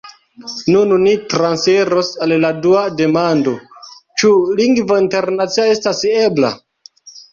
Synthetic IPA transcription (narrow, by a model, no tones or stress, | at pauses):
nunnitɾanseɾosalladuade̞mando̞t͡ʃuliŋɡvointe̞ɾnat͡siae̞stase̞bla̰